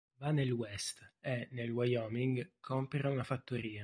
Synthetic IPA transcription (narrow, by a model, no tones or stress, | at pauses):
vanelwɛst̪ɛnelwajɔmiŋɡkʰɔmpeɾaunafat̪ːoɾiːa